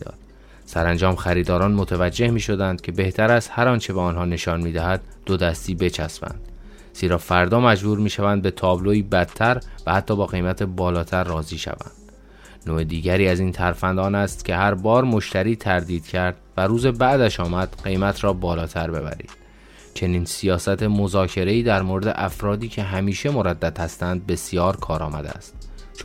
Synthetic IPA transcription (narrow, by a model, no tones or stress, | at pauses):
ɒ̰ːd̪̥̚ | sæɾænd͡ʒɒːmxæɾiːd̪ɒːɾɒːnmo̞t̪ʰævæd͡ʒːe̞hmiːʃo̞d̪ænd̪̥̚cʲʰe̞be̞ht̪ʰæɾæst̪hæɾɒːnt͡ʃʰe̞beɒːnɦɒːne̞ʃɒːnmiːd̪æhæd̪̚ːod̪æst̪iːbe̞t͡ʃʰæsmæ̰nd̪̥ | z̥iːɾɒːfæɾd̪ɒːmæd͡ʒbuːɾmiːʃævænd̪̚be̞t̪ʰɒːbloiːbæd̪t̪ʰæɾvæhæt̪ʰːɒːbɒːɣe̞jmæt̪ʰebɒːlɒːt̪ʰæɾːɒːziːʃæ̰væ̰nd̪̥ | noːed̪iːɟæɾiːæziːnt̪ʰæɾfænd̪ɒːnæst̪cʲʰe̞ɦæɾbɒːɾmo̞ʃt̪æɾiːt̪ʰæɾd̪iːd̪̥cʰæɾd̪̥̚væɾuːzebæʔd̪æʃɒːmæd̪̥ɢe̞jmæt̪ʰɾɒːbɒːlɒːt̪ʰæɾbe̞bæ̰ɾḭːd̪̥ | t͡ʃʰe̞niːnsijɒːsæt̪ʰemo̞zɒːcʰe̞ɾe̞iːd̪æɾmoːɾed̪ḛʔæfɾɒːd̪iːcʰe̞ɦæmiːʃe̞mo̞ɾæd̪ːæd̪̥hæst̪ænd̪̚be̞sijɒːɾkʰɒːɾɒːmæd̪ḛæ̰st̪ | t͡ʃ